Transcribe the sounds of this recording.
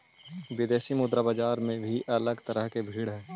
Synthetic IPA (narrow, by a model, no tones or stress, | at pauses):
ʋɪd̪eːʃimʊd̪ɾabaːd͡ʒaːɾmẽbʱiʔɐləɡt̪əɾəɦkebʱiːɽɦɛː